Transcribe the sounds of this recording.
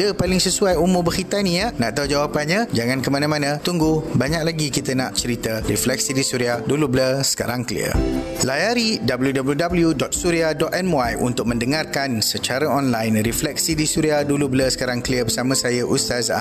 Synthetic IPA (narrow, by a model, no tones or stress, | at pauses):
dəpalɪŋsəsuajumʊbəhit̪anĩaʔnãʔt̪auwd͡ʒawapanɲãd͡ʒaŋãnkəmanãmãnãt̪uŋɡubaɲak̚laɡikit̪əna̰ʔt͡ʃəɾit̪əriflɛk̚sidisuɾiadulubləsə̥ka̰ɾaŋkəlḭə̰lajaɾidabəljudabəljudabəljudɔt̪̚suɾiadɔt̪ɛmwajṵnt̪ʊk̚mə̃ndəŋarkansət͡ʃaɾaɔnlajnriflɛk̚sidisuɾiadulubləsə̥kaɾaŋkəliəbəsamə̃sajaʔust̪azaʔ